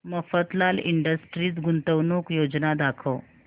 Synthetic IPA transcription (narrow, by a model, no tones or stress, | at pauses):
məfət̪laliɳɖəsʈɾiːt͡sɡunt̪əʋnuːkjod͡znad̪akʰəw